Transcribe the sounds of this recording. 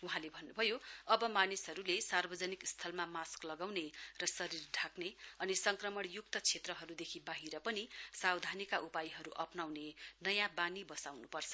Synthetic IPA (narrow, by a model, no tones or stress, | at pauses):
uɦãlebʱʌnːubʱʌjoʌbʌmanisɦʌɾulesarbʌd͡zʌnikst̪ʰʌlmamasklʌɡawnerʌsʌɾirɖʱakneʌnisʌŋkrʌmʌɽjuk̚t̪ʌt͡sʰet̪rʌɦʌɾud̪ekʰibaɦiɾʌpʌnisawd̪ʱanikaʔupajɦʌɾuʔʌpnawnenʌjãbanibʌsawnupʌrt͡sʰʌ̥